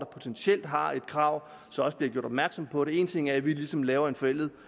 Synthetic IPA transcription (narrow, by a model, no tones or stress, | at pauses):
d̥ɑ̈pʰo̝t͡sʰensiel̰d̥ɦɑ̈e̝d̥kʰʁɑ̈ʊ̰ | sɒ̽mɒ̽səb̥liɐɡ̥jo̝ɐɾ̥ɒ̽b̥̚mæɐɡ̥sɒ̽mpʰɒ̽ɾe̝e̝ːnt͡sʰe̝ŋ̰æɐʋilisɒ̽mlɛːʊɐe̝nfɒ̽el̰ð̩ˠ